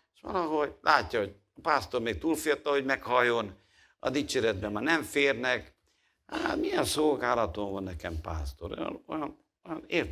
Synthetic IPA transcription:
eʃʋɒ̰lɒɦo̞ɟlʔaːcːɒho̞ɟ | ɒpaːst̪o̞rmeːk̚t̪uːlfijɒt̪ːɒɦo̞ɟmɛkhɒjːo̞n | ɒ̰d̪it͡ʃeːɾɛd̪bɛmːaːnɛɱfeːrnɛk | hat̪mijɛnso̞lɡaːlɒt̪oɱvɒnːɛkɛmpa̰ːst̪o̞ɾo̰jɒ̰nojɒn | ojɒneːr

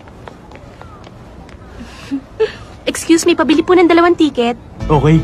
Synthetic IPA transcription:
ʔɛkskjuːsmɐjpɐbɪlipʊnɐŋd̪ɐlɐwant̪iːkɛt̪̚ʔoːkɛj

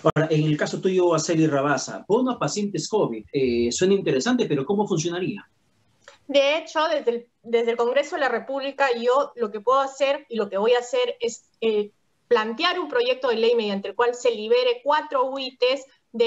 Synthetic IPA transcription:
aɾaʔeŋelkasot̪uʝoaseliraβasa̰bonapasje̞nt̪eskoβiðeswe̞naint̪e̞ɾesant̪epe̞ɾo̞ko̞mo̞funs̬jo̞naɾia | d̪eet͡ʃo̞ðezðe | d̪e̞zðelko̞ŋɡɾe̞so̞ðelare̞puβlikaʝo̞lo̞ke̞pwe̞ðoase̞ɾilo̞keβo̞jase̞ɾes | e | plant̪jaɾumpɾo̞ʝe̞k̚t̪o̞ðelejme̞ðjant̪elkwalse̞liβ̞e̞ɾekwat̪ɾo̞wit̪ez | ðe

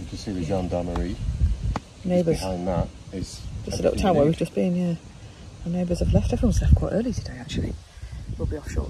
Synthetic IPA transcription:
kʰəsiwɨd͡ʒɑ̃ndaməɹi | neɪbə˞z̥ãɪ̃nðətɪz̥d͡ʒ̥ʌstəlɪ̰ʊtʰãʊ̃mwəwivd͡ʒʌsb̥ĩnhiɹ | əneɪbə˞z̥əvlɛftəfə̃mslɛfkʰw̥aɪtɜːlˠitʰɨdeɪak̚t͡ʃulˠḭ | wɪlˠbiɒfʃɔ̰ː

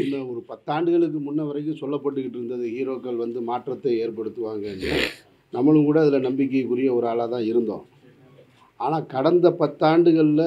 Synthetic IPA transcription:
ɪnːɐɔɾɯpɐt̪ːaːɳɖɯɣɐɭɯk̬ːɯmʊnːɐʋɐɾɐɪkːɯ̃sɔlːɐpːɐʈ̬ːɯkːɪʈːɪɾɯnd̪ɐðɯhiːɾoːkːɐɭʋɐnd̪ɯmaːʈrɐt̪ːɐeːɾpɐɽɯt̪ːɯʋaːŋɡɐɛnːɯ̰ | nɐmːɐɭɯ̃kuːɽɐːðɪlɐnɐmbɪk̬ːɐjkːʊɾɪjɐɔɾɯaːlaːt̪ãːɪɾɯnd̪õ̰ː | aːnaːkɐɽɐnd̪ɐpɐt̪ːaːɳɖɯɣɐɭɪlɐ

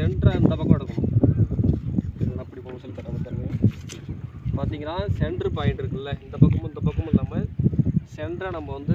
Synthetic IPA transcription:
ɛɳɖɾɐɪnd̪ɐpɐkːɐ̃ɐɽɐkːɯm̃ | ɪnnaːɪpːɐɽipomɐsɐlp̪ɐʈːɐmɐt̪ːɐɾʋeː | paːɾt̪iːŋɡɐnãːsɛɳɖɾɯpɐɪɳɖɪɾɯkːɯlːɛɪnd̪ɐpɐkːɐm̃ɪnd̪ɐpɐkːɐmʊnːɐmːɐsɛɳɖɾɐnɐmːɐʋɐnd̪ɯ

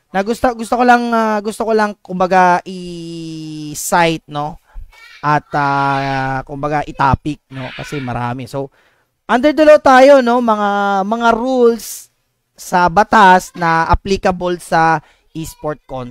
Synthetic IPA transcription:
nɐɡʊst̪oɡʊst̪okolɐŋaɡʊst̪okolɐŋkʊmbɐɡaʔɪ | sajt̪̚no̞ | ʔɐt̪̚a | kʊmbɐɡaʔɪt̪aːpɪk̚no̞kɐsɛmɐ̰ɾa̰ːmɛsow | ʔɐnd̪ɛɹd̪ɐlot̪aːjo̞no̞mɐŋamɐŋaɾulsː | ɐbɐt̪asnɐʔɐ̰plikɐbolsɐ | ʔispoɹt̪̚kon

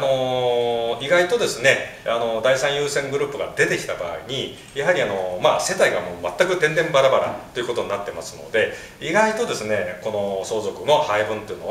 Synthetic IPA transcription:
no̞ | iɡait̪o̞d̪e̞sɨne̞ | ano̞d̪aisãɰ̃jɯːsẽ̞ŋɡɯ̟ɾɯ̟ːpːɯɡa̰d̪e̞t̪e̞kʲi̥t̪aba̰ːiɲ̟i | jaɦaɾʲiano̞mase̞t̪aiɡamo̞ːmat̪ːakɯ̟t̪ẽ̞nd̪ẽ̞mbaɾabaɾa̰t̪o̞jiɯ̟ko̞t̪o̞ɲinat̪ːe̞masɨno̞̰d̪e̞ | iɡait̪o̞d̪e̞sɨne̞ko̞no̞so̞ːzo̞kɯ̟no̞haibɯ̟̃nt̪o̞jiɯ̟no

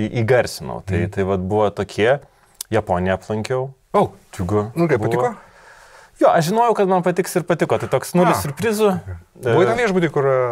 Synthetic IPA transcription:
ʔiːɡɐrʲsʲɪnɐ̰ʊt̪ɐɪt̪ɐɪʋɐt̪̚bʊʋoːt̪oːkʲʰiɛ | jɛpoːnʲɪjɛɐplˠɐŋʲkʲɛʊ | oʊt̪ʲuɡonʊkɐɪpbpɐtʲɪkoː | joːʔɐʃʒʲɪnoːjɛʊkɐt̪mɐnpɐt̪ʲɪksɪɾpɐt̪ʲɪkoːt̪ɐɪt̪oːksnuːlʲɪssʲʊɾʲpʲɾʲɪzʊbuʋɔiɐnʋʲiɛʒbuːt̪ʲikʊr

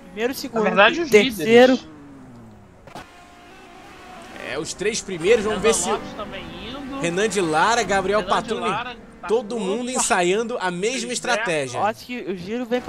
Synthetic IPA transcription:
pɾimejɾʊsiɡũd̪aeiseɾʊ | ɛ̰ʊst̪ɾejʃpɾimejɾʊzvɐ̃w̃vesɪĩd̪ʊhenɐ̃d͡ʒilaɾɐɡabɾiɛwpat̪ɾũni | t̪od̪ʊmũnd̪ʊẽsajɐ̃nd̪ʊʔɐmeʒmɐiʃt̪ɾat̪ɛʒiɐaskɪʊʒiɾʊvẽj̃p

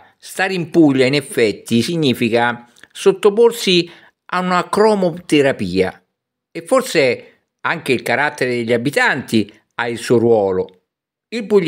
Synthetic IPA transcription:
st̪aːɾimpuʎːainɛfːɛt̪ːisiɲːiːfika | sot̪ːoporsi | aunakɾɔmot̪eɾapiːa̰ | efːorsɪ | aŋk̟ɪilkaɾat̪ːeɾɪd̪eʎːabit̪ant̪i | ailsuɾwɔːlʊ | ilpuʎː

